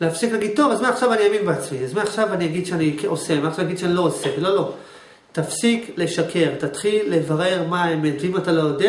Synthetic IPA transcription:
leafsiklaɡid̪̚t̪o̞vazmaaχʃavaniaminbeat͡smiazmaaχʃavaniaɡid̥̪ʃeanikeʔosemaaχʃavjaɡid̪ʃeanilo̞osevilo̞lo̞ | tafsikle̞ʃakʰe̞ʁt̪at̪χilːe̞vaʁe̞ʁmaemenvimat̪alojode

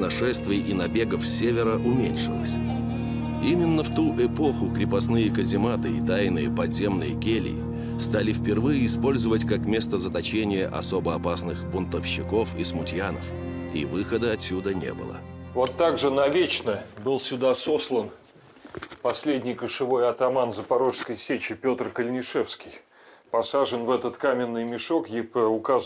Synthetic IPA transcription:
nɐʂɛst̪vʲɪjʔinɐbʲe̞ɡəfsʲevʲɪɾəʔʊmʲenʲʂɨlˠə̰sʲ | imʲɪnːəft̪uʔɛpo̞xʊkɾʲɪpɐsnɨjəkəzʲɪmat̪ɨit̪ajnɨjəpɐd̪zʲe̞mnɨjəkʲelʲɪ̰ | st̪alʲɪfpʲɪrvɨjəɪspo̞lʲzəvətʲkakmʲe̞st̪əzət̪ɐt͡ɕenʲɪjə̰ʔɐ̰sobəɐpasnɨxbʊnt̪əfɕːɪko̞fismʊtʲjanə̰fḭvɨxəd̪əɐtʲsʲːud̪ənʲḛbɨ̰lˠə̰vo̞t̪ːaɡʐɨnɐvʲet͡ɕnəbɨlˠsʲʊd̪aso̞slˠən | pɐsʲlʲedʲnʲɪjkəʂɨvo̞jɐt̪ɐmanzəpɐɾo̞ʂskəjsʲet͡ɕɪpʲo̞t̪rkəlʲnʲɪʂɛfskʲɪj | pɐsaʐɨnvɛt̪ət̪kamʲɪnːɨjmʲɪʂo̞kjepəʊkaz

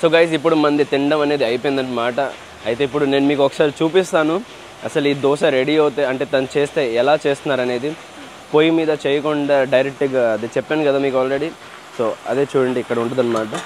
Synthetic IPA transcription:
so̞ːɡɐjs̬ip̬ːuɽumɐnd̪it̪iɳɖɐmɐne̞ːd̪iɐjp̬oːjnd̪ɐʈːimaːʈɐ | ɐjit̪e̞ːip̬ːuɽune̞ːnumiːkɔkːɐ̥saːɾit͡ʃuːpist̪aːnu | ɐsɐliːd̪ɔːʃɐɾeɽiɐwut̪eːɐɳʈe̞ːt̪ɐnut͡ʃeːst̪e̞ːɛlaːt͡ʃe̞ːst̪unːaːɾɐne̞ːd̪i | pojimiːd̪ɐt͡ʃeːjɐkɔɳɖaːɖɐjɾek̚ʈiɡaːɐd̪et͡ʃɛpːeːnikɐd̪aːmiːkaːlɾe̞ɽi | soːɐd̪e̞ːt͡ʃuːɽɐɳɖiːkːɐɽɐuɳʈɐd̪ɐnːɐmaːʈɐ

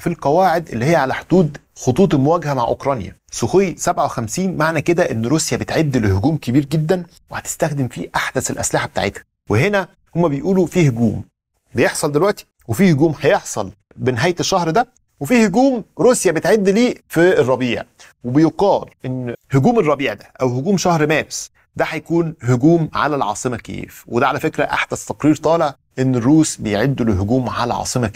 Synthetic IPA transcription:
filqɑwæːʕed̪ʔelːihejːæʕalæħod̪̥uːd̪xot̪ˤuːt̪̬ˤelmowæːɡhæmaʕʔo̰kɾˤɑnjæ̰ | soxejːsæbʕawexæmsiːnmaʕnæked̪æʔenːɾˤuːsjæbet̪ʕed̪ːlehoɡuːmkebiːɾɡed̪ːæn | wehæt̪e̥st̪æxd̪emfiʔaħd̪æselʔæ̰slɪħabet̪a̰ʕḛt̪hæ̥ | weɦenæ | homːæbejʔuːlufiːhoɡuːm | bejeħsˤɑld̪elwæʔt̪i̥ | wefiːhoɡuːmhæjeħsˤɑl | beneɦæːjet̪eʃːɑhɾd̪æ | wefiːhoɡuːmɾuːsjæbet̪ʕed̪ːliːfirˤːɑbiːʕ | webejoqɑːlʔenːhoɡuːmerˤːɑbiːʕd̪æ̥ʔæwhoɡuːmʃɑhɾmæːbes | d̪æħæjkuːnhoɡuːmʕa̰lælʕɑ̰ːsˤɨmækḛːfwed̪æʕalæfekɾæʔa̰ħd̪æst̪ɑqɾiːɾt̪ˤɑːleʕ | ʔenːerːuːsbejʕed̪ːuleɦoɡuːmʕalæ̰ʕɑ̰ːsˤɨmæ

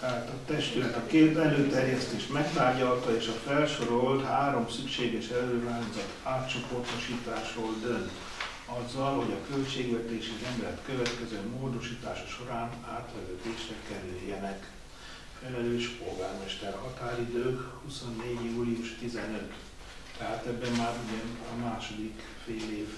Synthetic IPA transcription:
t̪ɛɦaːt̪ɒt̪ɛʃt̪ylɛt̪ɒkeːt̪ɛløːt̪ɛrjɛst̪eːʃmɛkt̪aːɟɒlt̪ɒeːʃɒfɛlʃo̞ɾo̞lt̪haːɾo̞msykʃeːɡɛʃɛløːɾaːnzɒt̪aːt̪t͡ʃo̞po̞rt̪oʃiːt̪aːʃroːld̪ønt̪ | ɒzːɒlɦo̞ɟɒkølt͡ʃeːɡʋɛt̪eːʃiɛmɛt̪køvɛt̪kɛzøːmoːd̪o̞ʃiːt̪a̰ːʃɒ̥ʃo̞ɾaːna̰ːt̪ʋɛvøːd̪eːʃrɛkɛɾyjːɛnɛk | fɛlɛløːʃpoɡaːrmɛʃt̪ɛrhɒt̪aːɾid̪øːhuso̞nːeːɟjuːliuʃt̪izɛnøt̪ | t̪ɛɦaːt̪ɛbːɛmmaːɾuɟɛnɒmaːʃo̞d̪ik | feːleːv

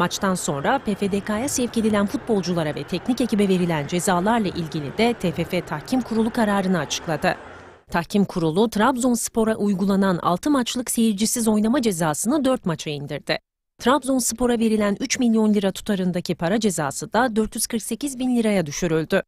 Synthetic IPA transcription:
mat͡ʃt̪ʰanso̞nɾapeːfed̪ekaːjasɛvce̞d̪ilʲænfut̪̚bo̞lˠd͡ʒulˠaɾavɛt̪ʰɛcnice̞cibɛve̞ɾilʲænd͡ʒe̞zaːlˠaɾlˠaʔilʲɟilʲḭd̪ɛt̪ʰefefɛt̪ʰahcʰimkʰuɾulˠukʰaɾaːɾɯnɯat͡ʃʰɯ̥klˠad̪ɯ | t̪ʰahcʰimkʰuɾulˠut̪ʰɾabzonsɯ̥po̞ɾaʔujɡulˠananʔa̰lˠt̪ʰɯmat͡ʃlˠɯkse̞jiɾd͡ʒisizo̞jnamad͡ʒe̞zaːsɯnɯd̪øɾt̪mat͡ʃʰaind̪iɾd̪ɪ | t̪ʰɾabzonsɯpo̞ɾave̞ɾilʲænyt͡ʃmilʲjo̞nlʲiɾat̪ʰu̥t̪ʰaɾɯnd̪acʰipʰaɾad͡ʒe̞zaːsɯd̪ad̪øɾt̪jyz̥kʰɯɾkse̞cizbinlʲiɾajad̪yʃyɾylʲd̪y

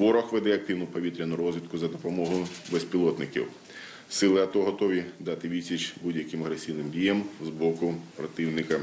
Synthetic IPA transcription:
ʋɔɾɔxʋɛd̪ɛɐk̚t̪ɪwnʊpɔʋʲit̪ɾʲɐnʊɾɔzʲʋʲit̪̚kʊzɐd̪ɔpɔmɔɦʊbesʲpʲilˠɔt̪nɪkʲḭw | sɪlˠɪɐt̪ɔɦɔt̪ɔʋʲid̪ɑt̪ɪʋʲisʲit͡ʃbudʲjɐkɪmɐɦɾesʲijnɪmdʲijɐmzbɔkʊpɾɔt̪ɪwnɪkɐ

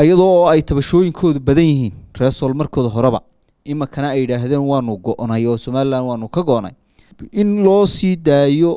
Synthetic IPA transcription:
ɐjɐðɔɛjt̪ʰɐβɐʃɔːjɪŋkʰɔːðʊbɐðɐnjɪɦiːnr̥ɛːsɔːlmɐrkʰɔːðɐɦɔɾɛβɐ̰ | ʔɪmɐkʰɐnɐɛjːɪɽaːɦðɛːnwɑːnʊɡɔʔnɐjɔːsɔmaːlɪlaːnwɑːnʊkʰɐɡɔʔnɐ̰j | ɪnlɔːsiːd̪aːjɔ

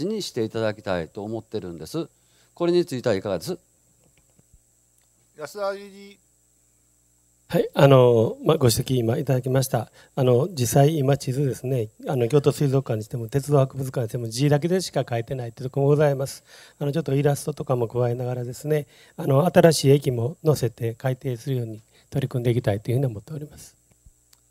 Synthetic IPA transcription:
iɲ̟iɕi̥t̪e̞it̪ad̪akʲi̥t̪a̰it̪o̞ːmo̞t̪ːeɾɯ̟̃nd̪e̞sɨ | ko̞ɾe̞ɲ̟it͡sɨit̪aaikaɡa̰d̪e̞sɨ | jsaii | haiano̞maɡo̞ɕ̬i̥t̪ekʲiːmait̪ad̪akʲimaɕ̬i̥t̪aː | no̞d͡ʑisːaiːmat͡ɕizɨd̪e̞sɨne̞ano̞kʲo̞ːt̪o̞sɨizo̞kːãɲːiɕi̥t̪e̞mo̞t̪e̞t͡sɨd̪o̞ːhakɯ̟bɯ̟t͡sɨ̥kaɲːiɕit̪e̞mo̞d͡ʑiːd̪ak̬e̞d̪e̞ɕi̥kakaet̪e̞nait̪eit̪o̥komo̞ɡo̞zaimasɨ̥ | ano̞t͡ɕo̞t̪ːo̞iɾasɨ̥t̪o̞t̪o̞kamo̞kɯ̟βae̞naɡaɾad̪e̞sɨne̞ | ano̞at̪aɾaɕiːekʲimo̞no̞se̞t̪e̞kait̪e̞ːsɨɾɯ̟jo̞ːɲ̟i | t̪o̞ɾʲikɯ̃nd̪eikʲit̪ait̪ːoiɯ̟ɯ̟ɲ̟io̞mo̞t̪ːe̞o̞ɾʲimasɨ̥

